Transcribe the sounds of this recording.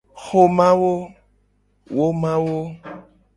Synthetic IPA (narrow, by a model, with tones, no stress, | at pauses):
xo˨mã˦wo˦ | wo˦mã˦wo˦